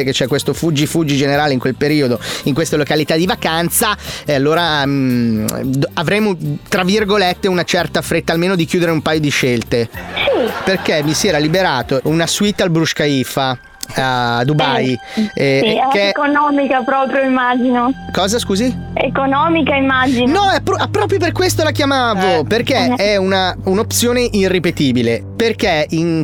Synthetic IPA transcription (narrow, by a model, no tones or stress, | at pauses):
eket͡ʃːɛkːwest̪ofud͡ʒːifud͡ʒid͡ʒeneɾaːleiŋkwelpeɾiːod̪oiŋkwest̪elokalit̪ad̪ivakant̪saalːoːɾa | avɾeːmot̪ɾavirɡolet̪ːeunat͡ʃɛrt̪afɾet̪ːaːlmeːnod̪ikjuːd̪eɾeumpaːjod̪iʃelt̪esiperkemisiɛːɾalibeɾaːt̪ounasuit̪ːalbɾuʃkaifa | ad̪ubaj | kːekonɔːmikapɾɔːpɾjoimːaːd͡ʒinokɔːzaskuːziḛkonɔːmikaimːad͡ʒinnɔɛpːɾɔapːɾɔːpɾjop̬erkwest̪olakjamaːvoperk̟eɛunaunop̪sjoːneʔirːipet̪iːbileperkein